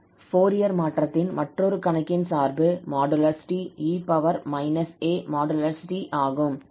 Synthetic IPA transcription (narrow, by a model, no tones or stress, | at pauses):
foːɾɪjɐɾmaːʈrɐt̪ːɪnmɐʈrɔɾɯkɐnɐkːɪnsaːɾbɯmaːɖɐlɐɾsɪ̥ʈiiːpɐʋɐɾmɐɪnɐseːmaːɖɐlɐɾsɪʈiʔaːɣɯm